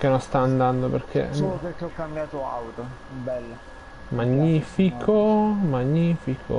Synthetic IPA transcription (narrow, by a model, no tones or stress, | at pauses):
kenːonst̪aːnd̪and̪operkʰḛslopeɾkeɔkːambjaːt̪oa̰wt̪o | bɛlːa | maɲːiːfikʰomaɲːiːfikʰo̰